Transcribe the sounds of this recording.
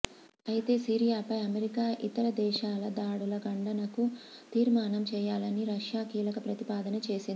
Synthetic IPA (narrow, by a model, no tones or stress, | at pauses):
ɐjit̪e̞ːsiːɾijaːpɐjɐmeɾikaːʔit̪ɐɾɐd̪ɛːʃaːlɐd̪aːɽulɐɡɐɳɖɐnɐkut̪iːɾmaːnɐmt͡ʃɛːjaːlɐniɾɐʂjaːkiːlɐkɐpɾɐt̪ipaːd̪ɐnɐt͡ʃe̞ːsiːd̪i